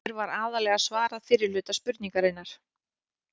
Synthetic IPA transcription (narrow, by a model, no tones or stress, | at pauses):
ɪɾvaɾaːðalɛːɣasvaːɾaðfɪɾɪɾlʏːt̪aspʏɾt̪niŋkaɾɪnːaɾ̥